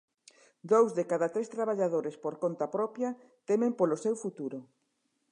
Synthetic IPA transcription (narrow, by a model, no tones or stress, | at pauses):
d̪owzðekaðat̪ɾest̪ɾaβaʎaðoɾespoɾkont̪apɾɔpjɐ | t̪emẽmpolosewfut̪uɾo